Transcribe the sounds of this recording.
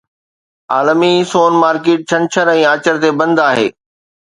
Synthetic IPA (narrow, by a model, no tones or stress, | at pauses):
aːlmisoːnmaːɾkeːʈ̚t͡ɕʰɐ̃nt͡ɕʰəɾɛ̃ːaːt͡ɕəɾt̪ebɐ̃nd̪aːɦḛː